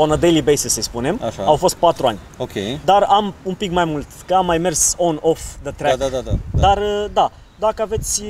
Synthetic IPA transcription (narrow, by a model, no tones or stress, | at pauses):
onəd̪ejlibejsisəjspune̞ma̰ʃaawfo̞st̪̚pat̪ɾuanʲ | okʲʰejd̪aramumpikmajmult̪kəamːajme̞rsonofd̪ət̪ɾɛd̪ad̪ad̪ad̪arəd̪a | d̪akəave̞t̪sʲ